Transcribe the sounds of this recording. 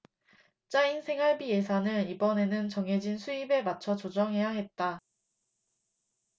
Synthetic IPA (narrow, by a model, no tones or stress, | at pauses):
t͡ɕ͈ainsʰe̞ŋɦaɭbije̞sʰanɯnibʌne̞nɯnt͡ɕʌŋɦe̞d͡ʑinsʰuibe̞mat͡ɕʰʌt͡ɕod͡ʑʌŋɦe̞jaɦe̞t̚t͈a